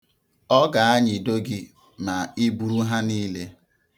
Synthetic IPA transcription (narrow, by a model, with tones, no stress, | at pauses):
ɔ˦ɡa˨a˦ɲɪ˨do˦ɡɪ˦ | ma˨i˦bu˨ɾu˦ɦa˦niː˦le˦